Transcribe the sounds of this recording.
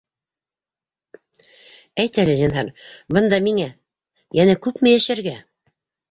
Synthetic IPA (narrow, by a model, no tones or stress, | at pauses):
æjt̪ælɘʑɑnɦɑɾbɤ̆nd̪ɑmiŋæ | jænækʉpmɘ̆jæʃæɾɡæ